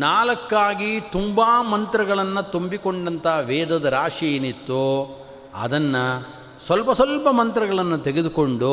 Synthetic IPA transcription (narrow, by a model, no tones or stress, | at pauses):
naːlɐkːaːɡit̪umbaːmɐnt̪ɾɐɡɐɭɐnːɐt̪umbikoɳɖɐnt̪ɐʋɛːd̪ɐd̪ɐɾaːʂijeːnit̪ːu | ɐ̰d̪ɐnːɐ | sʋɐlpɐsʋɐlpɐmɐnt̪ɾɐɡɐɭɐnːut̪eɡed̪ukoɳɖu